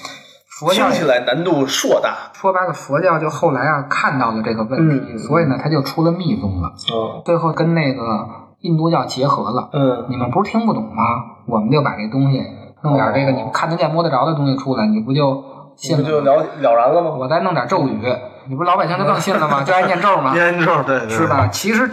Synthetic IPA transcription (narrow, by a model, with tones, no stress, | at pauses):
fɔ˧˥t͡ɕjɑ˥˧ʊt͡ɕʰi˨˩la˧˥ɪna˧˥nt̪u˥˧ʂwɔ˥˧t̪a̰˥˩ʂʰwɔ˥ba˥lə˨˩fwɔ˧˥t͡ɕjɑ˥˧ʊt͡ɕjo˥˧ʊxo˥˩ʊla˧˥ɪja˧kʰa˥˧nt̪ɑ˥˩ʊlə˩ʈ͡ʂɤ˥˩ɡə˩wə˥˨nt̪ʰi˧˥swɔ˧˥i˨˩nə˦t̪ʰa˥t͡ɕjo˥˩ʊʈ͡ʂʰu˥lə˧mi˥˧t͡sʊ˥˩lə̰˩t͡swe˥˧ɪxo˥˩ʊkə˥nne˥˩ɪɡə˩ | i˥˧nt̪u˥˧t͡ɕjɑ˥˩ʊt͡ɕjɛ˧˥xɤ˧˥lə̰˧˥ni˨˩mə˦npu˧˥ɻ̩˥˩t̪ʰi˥ŋpu˥˩t̪ʊ˨˩ŋmɐ˦˧wɔ˨˩mə˦nt͡ɕjo˥˩ʊpa̰˨˩ʈ͡ʂe˥˩ɡə˩t̪ʊ˥ŋɕi˨˩nɤ˥˧ŋt̪jɑ̰˨˩ʈ͡ʂe˥˩ɡə˩ni˨˩˧kʰnə˧˥t͡ɕja˥˩mwɔ˥d̪ə˧ʈ͡ʂɑ˧˥d̪ə˧ʊ˥ŋɕi˨ʈ͡ʂʰu˥la˧˥ɪni˨˩p̬u˧˥t͡ɕjo˥˧ʊ | ɕi˥˩n˥˧˩lɑ˧˥ʊ˧ljɑ˨˩ʊɻə˧˥nlə˧mə˧wɔ˨˩t͡sa˥˧ɪnɤ˥˩ŋt̪jɑ˨˩ʈ͡ʂo˥˩ʊy˧˥ni˨˩˧lɑ˧˥pa˨˩ɕi˥ŋt͡ɕo˥˧nɤ˥˧ŋɕi˥˩nlə˩mɐ˨˩t͡ɕjo˥˧ʊ˥˧njɛ˥˧nʈ͡ʂo˥˩ʊmə˨ɛ˥˧o˥˧t̪we˥˧ʂɻ̩˥˩bɐ˩t͡ɕʰi˧˥ʂɻ̩˧˥